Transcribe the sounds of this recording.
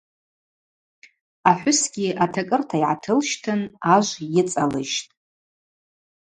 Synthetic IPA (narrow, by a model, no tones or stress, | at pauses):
aħʷᶣʊsɡʲiatʰakʼɨrtʰaiʕa̰tʰɨlʃtʰɨnaʒʷjɪt͡sʼalɨʃtʼ